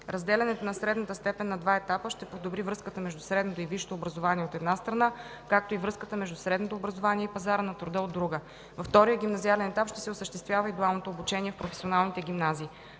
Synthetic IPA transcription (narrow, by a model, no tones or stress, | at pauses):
ɾɐzd̪ɛlʲɛnɛt̪onɐsɾɛd̪nət̪əst̪ɛpɛnːɐd̪vaɛt̪apəʃt̪ɛpod̪obɾivɾɤskət̪əmɛʒd̪usɾɛd̪not̪oiviʃt̪oːbɾɐzovaniɛot̪ɛd̪nast̪ɾɐnakak̚t̪oivɾɤskət̪əmɛʒd̪usɾɛd̪not̪oːbɾɐzovaniɛipɐzaɾənɐt̪ɾʊd̪əod̪ːɾuɡə | vɐft̪ɔɾijəɡʲimnɐzialɛnɛt̪apʃt̪ɛ̥sɛosəʃt̪ɛst̪vjavəid̪ualˠnot̪oːbut͡ʃɛniɛfpɾofɛ̥sionalˠnit̪ɛɡʲimnaziː